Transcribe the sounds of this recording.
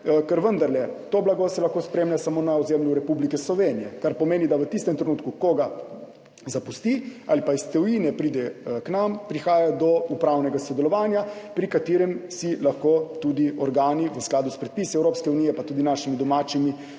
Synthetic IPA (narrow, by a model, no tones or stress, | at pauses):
kɛɾʋənd̪aɾlɛt̪oːblaɡosɛlaxkospɾeːmlʲjasamoːnaɔzemljuɾɛpublikɛslɔʋeːnijɛkaɾpɔmeːnid̪aʋət̪ist̪ɛmt̪ɾɛnuːt̪kukoɡa | zapust̪ia̰lipaist̪ɛwjinɛpɾiːd̪ɛknampɾixaːjad̪ɔupɾawnɛɡasɔd̪ɛlɔʋaːnjapɾikat̪iːɾɛmsilaxkot̪ud̪iɔɾɡaːniʋəsklaːd̪uspɾɛt̪̚pisiɛwɾoːpskɛunijɛpat̪uːd̪inaʃimid̪ɔmaːt͡ʃimi